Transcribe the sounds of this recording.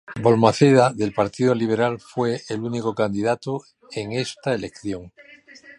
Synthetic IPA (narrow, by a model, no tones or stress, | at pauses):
bo̞lmaθeðaðe̞lpaɾt̪iðoliβ̞e̞ɾalfwe̞ːlunikokand̪iðat̪o | eŋe̞st̪aele̞kθjo̞ŋ